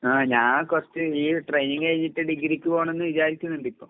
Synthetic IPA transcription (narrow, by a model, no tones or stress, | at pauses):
aːɲaːkort͡ɕːɨiːʈrejniŋɡkɐɻiɲːiʈːɨɖiɡːɐɾikʲːuʋaːɳenːɨʋid͡ʑaːɾit̪ʲːunːuɳɖipːo̞ː